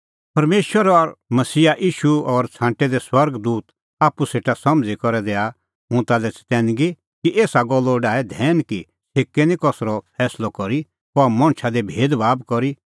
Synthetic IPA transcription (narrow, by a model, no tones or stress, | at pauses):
pɐɾmeːʃwəɾɔɾmɐsiːaʔiːʃuɔɾt͡sʰãːɳʈɛd̪ɛswɐɾɡd̪uːt̪ | aːpuseːʈasɐmd͡zikɔɾɛd̪eːa | ɦũt̪alɛt͡st̪ɛ̃ːnɡi | kiʔeːsaɡɔlːɔɖaːɛd̪ʱɛːnki | seːkːenĩkɔsɾɔpʰɛːslɔkɔɾi | pɔmɔ̃ɽ̃t͡ʃʰad̪ebʱeːd̪ʋaːbkɔɾi